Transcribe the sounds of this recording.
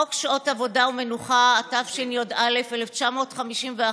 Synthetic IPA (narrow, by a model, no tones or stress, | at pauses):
okʃaotavo̞daume̞nuχaːtafʃinjodalefeleft͡ʃamo̞ːtχamiʃimvea